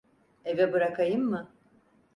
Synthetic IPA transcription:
evɛbɯɾakʰajɯmːɯ

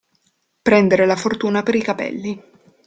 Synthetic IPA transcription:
pɾɛnd̪eɾelafort̪uːnapeɾikapɛ̰lːi

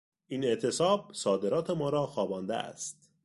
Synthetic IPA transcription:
ʔiːne̞ʔt̪ʰe̞sɒːb̚sɒːd̪e̞ɾɒːt̪ʰe̞mɒːɾɒːxɒːbɒːnd̪ḛæ̰st̪

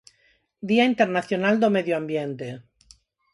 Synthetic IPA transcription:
d̪iaint̪eɾnaθjonald̪omeðjoambjent̪e

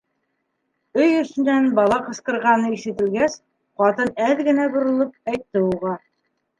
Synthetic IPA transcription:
ɵjɵ̆sɘ̆nːænbɑlˠɑqɤ̆sqɤ̆ɾʁɑnɤiʃɘ̆t̪ɘ̆lɡæs | qɑt̪ɤnælɡɘ̆næbŏɾŏlˠɤp̚æjt̪ːɘuʁɑ

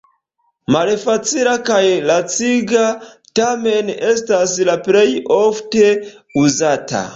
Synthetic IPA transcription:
malfat͡silakajlat͡siɡa | tame̞ne̞staslaple̞jofte̞ | uzata̰

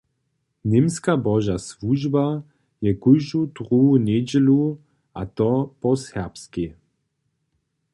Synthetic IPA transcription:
nɪmskabɔʒasvuʒba | jɛkuʒut̪ʁuunɛd͡ʑɛlu | ʔat̪ɔpɔsɛʁpski

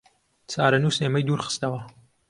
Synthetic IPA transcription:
t͡sʰaːɾɐnuːsneːmɛjd̪uːɾχɨ̥st̪ɐwɐ

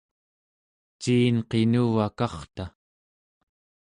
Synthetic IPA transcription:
t͡ʃiːnqenuvakɑχt̪a

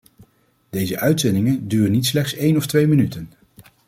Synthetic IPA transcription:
d̥ejzəʔœɥtsɛndɪŋəndyːrənitslɛχtsejnɔftʋejmənytən

